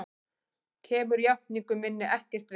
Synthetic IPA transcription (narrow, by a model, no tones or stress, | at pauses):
cʰɛːmʏɾjahniŋkʏmɪnːɪʔɛhcɛr̥t̪v